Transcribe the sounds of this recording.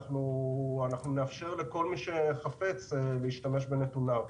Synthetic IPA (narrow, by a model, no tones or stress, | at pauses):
χnuanaχnuneafʃe̞ʁle̞ko̞lmiʃe̞χafet͡sleiʃtame̞ʃbe̞ne̞tuna